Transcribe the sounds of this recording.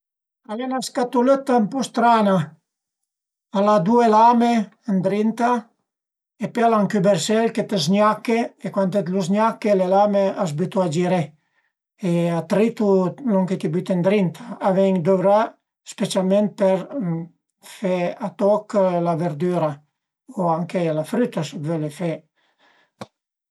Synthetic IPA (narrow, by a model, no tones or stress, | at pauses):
alenaskat̪ulet̪ampɔst̪ɾana | alad̪uelame | ənd̪ɾint̪a | epealaŋkybeɾsɛlket̪ezɲakːeekwant̪et̪luzɲakːelelameazbit̪uad͡ʒiɾe | eat̪ɾit̪ulɔŋket̪ibyt̪end̪ɾint̪ʰḁːvɛŋd̪ovɾa | spet͡ʃalment̪̚peɾ | feat̪ɔklaveɾd̪yɾa | oaŋkelafɾyt̪asubvelefɛ